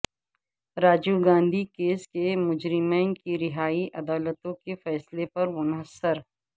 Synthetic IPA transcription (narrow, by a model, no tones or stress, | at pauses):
ɾaːd͡ʒuɡãːnd̪ʱikeːskemʊd͡ʒɾɪmeːnkiɾɪɦaːiʔɐd̪aːlət̪õkefɛːslepɐɾmʊnɦəsəɾ